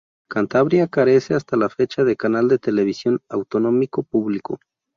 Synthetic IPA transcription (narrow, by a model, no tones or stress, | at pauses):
kant̪aβɾjakaɾe̞se̞ast̪alafe̞t͡ʃaðe̞kanald̪e̞t̪e̞le̞β̞isjo̞nawt̪ono̞miko̞puβliko̞̰